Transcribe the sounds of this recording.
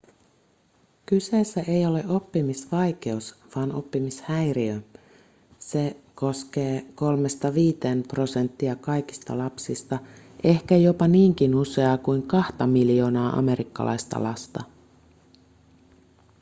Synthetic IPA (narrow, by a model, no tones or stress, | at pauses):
kyse̞ːsːæʔe̞jo̞le̞ʔo̞pːimisʋɑjk̟e̞usʋɑːnopːimishæjɾiø | se̞ko̞sk̟e̞ːko̞lme̞st̪ɑʋiːt̪e̞ːmpro̞se̞nt̪ːiɑkɑjkist̪ɑ̰lɑpsist̪ɑ | ʔe̞hkæjo̞pɑniːŋk̟inuse̞ɑːkujŋkɑht̪ɑmiljo̞ːnɑːʔɑ̰me̞ɾikːɑ̰lʔɑ̰jst̪ɑ̰lɑst̪ɑ